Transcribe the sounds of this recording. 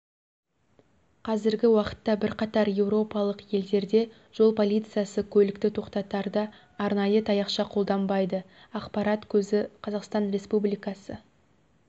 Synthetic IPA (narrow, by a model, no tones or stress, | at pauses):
qʰɑzɪɾɡʲɪwɑqə̥t̪ːɑbɪɾqɑt̪ɑɾje̞wɾo̞pɑlˠəqje̞ld̪e̞ɾd̪e̞ | ʒ̥o̞lˠpʰo̞lʲˠijt̪sɨjasəkʲʰɵlɪkt̪ɪt̪ʰo̞qt̪ɑt̪ɑɾd̪əː | ɾnɑjət̪ʰɑjɑqʃɑqʰo̞lˠd̪ɑmbɑjd̪ə | ɑqpɑɾɑt̪kʲʰɵzɪqʰɑzɑqst̪ɑnɾe̞spublijkɑsə